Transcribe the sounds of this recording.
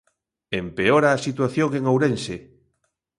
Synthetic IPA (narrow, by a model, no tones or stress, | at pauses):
empeoɾaːsit̪waθjoŋeŋowɾense